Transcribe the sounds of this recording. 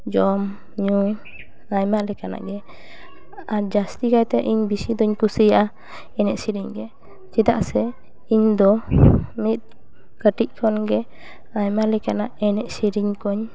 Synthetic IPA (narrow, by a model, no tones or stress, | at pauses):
d͡ʒɔm | ɲu | ajmaʔlɛkana̰ʔɡɛ | aɾd͡ʒast̪ikajt̪ɛʔiɲbisid̪ɔɲkusijaʔa | ɛnɛʔsiɾiɲɡɛ | t͡ʃid̪aʔsɛ | iɲd̪ɔmit̪̚ | kəʈiʔ̚kʰɔnɡɛ | ajmaʔlɛkanaʔɛnɛʔsiɾiɲkɔɲ